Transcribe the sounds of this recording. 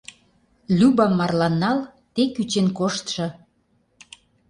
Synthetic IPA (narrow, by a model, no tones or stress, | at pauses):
lʲybɑmːɑrlɑnːɑl | t̪ekyt͡ɕenkoʃt̪ʃɤ̆